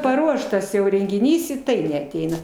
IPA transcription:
pɐˈruɔʃtɐs jɛʊ rʲɛŋʲɡʲɪˈnʲiːs ɪ ˈtɐɪ nʲɛɐˈtʲɛɪnɐ

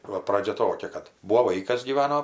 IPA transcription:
ˈʋɐ ˈprɑːd͡ʒʲɛ ˈtoːkʲɛ kɐt ˈbuːʋoː ˈʋɐɪkɐs ɡʲiːˈʋɑːnoː

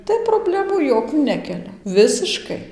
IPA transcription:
ˈtɐɪ proːˈbʲlʲæːmuː ˈjoːkʲuː ˈnʲæːkʲɛlʲɛ ˈʋʲɪsʲɪʃkɐɪ

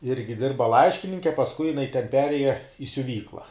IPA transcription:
ˈɪrʲɡʲɪ ˈdʲɪrbɐ ˈlˠɐɪʃʲkʲɪnʲɪŋʲkʲɛ pɐsˈkʊɪ jɪˈnɐɪ tʲɛn ˈpʲæːrʲeːjɛ ɪ sʲʊˈʋʲiːklˠɐ

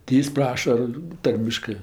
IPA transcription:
tʲɪ ˈjɪs ˈprɑːʃɐ ˈtɐrʲmʲɪʃkɜ

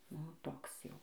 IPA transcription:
ˈnʊ ˈtoːks ˈjɛʊ

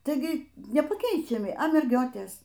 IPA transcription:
tɐɪˈɡʲɪ nʲɛpɐˈkʲɛɪt͡ʃʲɛmʲɪ ɐ mʲɛrʲˈɡʲoːtʲeːs

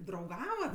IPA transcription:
drɐʊˈɡɑːʋɐt

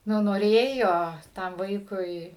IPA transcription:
ˈnʊ noːˈrʲeːjoː ˈtɐm ˈʋɐɪkʊɪ

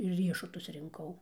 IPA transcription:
ɪr ˈrʲiɛʃʊtʊs rʲɪŋˈkɐʊ

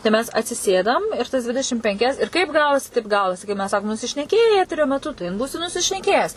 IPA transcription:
tɐɪ ˈmʲɛs ɐtʲsʲɪˈsʲeːdɐm ɪr ˈtɐs ˈdʲʋʲɪdʲɛʃʲɪm pʲɛŋʲˈkʲɛs ɪr ˈkɐɪp ˈɡɑːʋoːsʲɪ ˈtɐɪp ˈɡɑːʋoːsʲɪ kɐɪp ˈmʲɛs ˈsɑːkoːm nʊsʲɪʃʲnʲɛˈkʲeːjɛɪ ˈæːtʲɛrʲoː mʲɛˈtʊ tɐɪ ɪn ˈbuːsʲɪ nʊsʲɪʃʲnʲɛˈkʲeːjɛs

